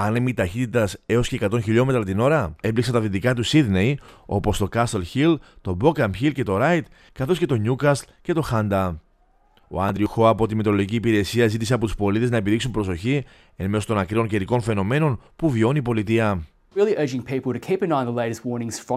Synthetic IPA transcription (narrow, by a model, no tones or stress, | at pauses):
ɐnemit̪ɐçit̪it̪ɐse̞osce̞ːkɐt̪o̞nçiʎo̞me̞t̪ɾɐt̪ino̞ɾɐe̞bliksɐnt̪ɐðit̪ikɐt̪̬usiðnejo̞̰po̞st̪o̞kɐst̪elçilt̪o̞bo̞kɐmçilce̞t̪o̞ɾɐjt̪ | kɐθo̞sce̞t̪oɲukɐslce̞t̪o̞xɐnd̪ɐ | o̞̰ɐnd̪ɾiuxo̞ɐpo̞t̪imet̪ɾoloʝiciːpiɾe̞siɐzit̪ise̞ɐpo̞t̪u̥spo̞lit̪e̞znɐe̞piðiksumpɾo̞so̞çi | enmesost̪o̞nɐkɾio̞nce̞ɾiko̞nfe̞no̞me̞no̞npuvio̞nipo̞lit̪iɐ | ɪlˠiʔɜ˞d͡ʒɪ̃ŋpʰiˑpl̩ˠtɨkʰiˑpɨ̃nãɪ̃nðəleɪɾɨstwɔɹnɪ̃ŋz̥fɹə̃